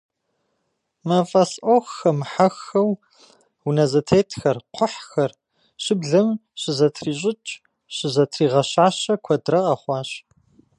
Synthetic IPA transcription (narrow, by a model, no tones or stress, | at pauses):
mɐfʼɐsʔoxːɐmħaxːɐw | wunɐzɐtʰeːtʰxɐrqʷʰʊħxɐr | ɕɪbɮɐmɕɪzɐtʰriːɕ̬ʼɪt͡ʃʼ | ɕɪzɐtʰriːʁɐɕaːɕɐkʷʰɔdrɐqɐχʷɑːɕ